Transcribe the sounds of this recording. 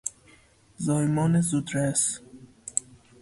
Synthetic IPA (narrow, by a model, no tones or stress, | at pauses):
zɑːjmɔːnezud̪ɾæs